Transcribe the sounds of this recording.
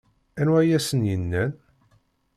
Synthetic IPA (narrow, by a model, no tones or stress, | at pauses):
ænwæjæsənjənːæn